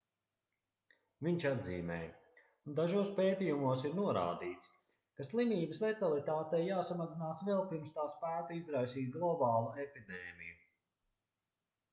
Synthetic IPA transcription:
viɲt͡ʃad̪zḭːmɛ̰ːj | und̪aʒuɔspeːt̪ijumuɔsiɾnuɔɾa̰ːd̪iːt̪s | kaslˠimʲiːbəslet̪alˠit̪aːt̪ɛjjaːsamazinaːsvɛlˠpiɾmst̪aːspæːk̪aizɾajsiːt̪̚ɡlˠɔbɑːlˠuepid̪ɛːmḭju

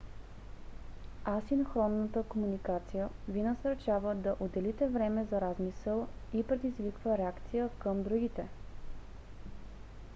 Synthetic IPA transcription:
asinxɾɔnːət̪əkomunikat̪sijəvinəsəɾt͡ʃavəd̪ɐʔod̪ɛlit̪ɛvɾɛmɛzɐɾazmisəlˠipɾɛd̪izvikvəɾɛakt̪sijəkəmd̪ɾuɡit̪ɛ

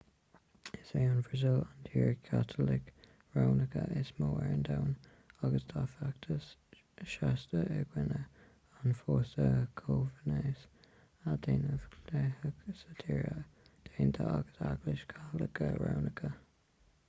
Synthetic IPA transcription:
ɪseːʊnvəzɪlant̪ʰiːɹəkʰat̪ʰəlɪk | ɹawnəkʰəʔɪsmoːɛɹənd̪awn | aɡəsd̪̥ʰafak̚t̪ʰəs | ʃast̪əʔəɡwɪnə | anfoːsəkʰovəneːs | ad̪eːnəvlɛhəɡsət̪ʰiːɹəd̪̥eːnt̪ʰəaɡəsaɡlɪʃkʰatlɪkʰəɹa̰wnɪkʰə

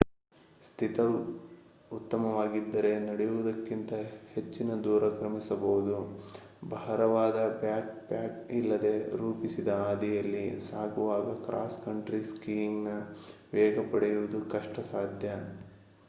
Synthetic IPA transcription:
st̪ʰit̪ɐ | ut̪ːɐmɐʋaːɡid̪ːɐɾe̞nɐɽɛjuʋud̪ɐkːint̪ɐhe̞t͡ʃːinɐd̪uːɾɐkɾɐmisɐbɐʋud̪u | bʱɐɦɐɾɐʋaːd̪ɐbjaːk̚pjaːkilːɐd̪e̞ɾuːpisid̪ɐaːd̪ijɐlːisaːɡuʋaːɡɐkɾʔa̰ːskɐɳʈɾiskiːiŋnɐʋɛːɡɐpɐɽɛjuʋud̪ukɐʂʈɐsaːd̪ʱjɐ

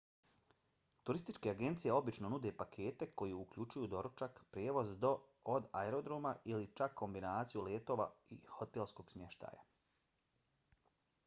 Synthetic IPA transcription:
t̪uɾist̪it͡ʃke̞aɡe̞nt̪sijeo̞bit͡ʃno̞nud̪e̞pakʰe̞ːt̪e̞ko̞jiukʎut͡ʃujud̪o̞ɾot͡ʃakpɾjeːʋo̞zd̪o̞ːd̪aeɾo̞d̪ɾomailit͡ʃakʰːo̞mbinaːt̪sijuleːt̪o̞ːʋa̰ḭho̞t̪elˠsko̞ːɡ̥smʲje̞ʃt̪a̰ːja̰

